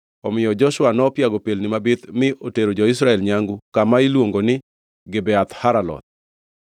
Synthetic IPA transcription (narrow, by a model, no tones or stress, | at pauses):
ɔmɪjɔd͡ʒɔʃwanɔpjaɡɔpelnɪmabɪt̪mɪʔoteɾod͡ʒɔɪsɾaɛlɲaŋɡukamailwoŋɡonɪ | ɡɪbɛat̪haɾalɔ̰t̪̚